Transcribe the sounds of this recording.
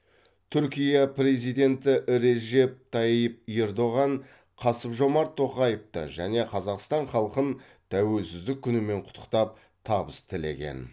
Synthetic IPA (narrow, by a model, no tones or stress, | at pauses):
t̪ʰʏɾkʲijɑpɾe̞zijd̪e̞nt̪ɪʔɾe̞ʒe̞p̚t̪ʰɑjəp̚e̞ɾd̪o̞ʁɑn | qʰɑsəpʒo̞mɑɾt̪ʰːo̞qɑjəft̪ə̰ʒæne̞qʰɑzɑqst̪ɑɴχɑlˠqən | t̪ʰæwe̞lsɪzd̪ɪk̚ʲʰːʏnɪme̞ɴqʰʊ̥t̪ʰːə̥qt̪ɑp̚ | t̪ʰɑbəst̪ʰɪle̞̰kʲe̞̰n